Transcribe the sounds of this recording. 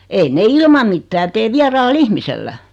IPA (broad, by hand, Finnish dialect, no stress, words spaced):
ein ne ilmɑm mitːæː teː ʋiɑrɑːlː ihmiselːæ